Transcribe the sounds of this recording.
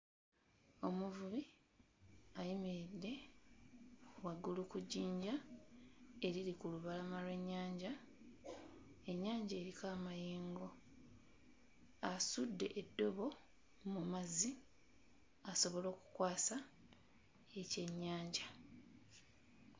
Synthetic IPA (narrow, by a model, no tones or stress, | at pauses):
o̞muvuβi | ajimiɾidːe̞ | waɡːulukuɟiːɲɟa | e̞ɾiɾikuluβalamalwe̞ɲːaːɲɟa | e̞ɲːaːɲɟaːɾikaːmajiːŋɡo̞ | asudːe̞̰ʔedːo̞βo̞ | mumazi | aso̞βo̞lo̞ːku̥kwaːsa | ece̞ɲːaːɲɟa